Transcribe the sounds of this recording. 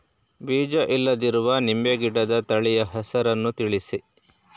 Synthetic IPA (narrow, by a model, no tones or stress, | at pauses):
biːd͡ʒɐʔilːɐd̪iɾuʋɐnimbeɡiɽɐd̪ɐt̪ɐɭijɐɦɛsɐɾɐnːut̪iɭisi